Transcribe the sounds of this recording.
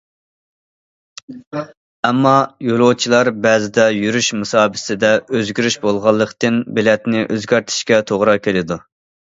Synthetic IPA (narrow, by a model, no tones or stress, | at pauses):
ɛmːɑjolˠot͡ʃʰilˠɑɾbɛːzɪd̪ɛjyɾyʃmɨsɑːbɪ̥sɪd̪ɛøzɡʲyɾyʃbolˠʁɑlˠːəqt̪ɨnbɪlɛt̪nɪʔøzɡʲɛɾt̪ʰɪ̥ʃkʲɛt̪ʰoʁɾɑkʲʰelɪd̪u